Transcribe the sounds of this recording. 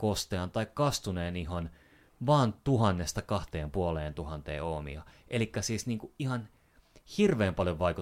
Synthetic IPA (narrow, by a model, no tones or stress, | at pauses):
kost̪eɑnt̪ɑikkɑst̪uneːniɦon | ʋɑːnt̪uhɑnːest̪ɑkɑht̪eːmpuoleːnt̪uhɑnt̪ḛːomḭɑ̰ʔelikːæsiːsniːŋkuihɑn | hirʋeːmpɑljoʋʋɑiku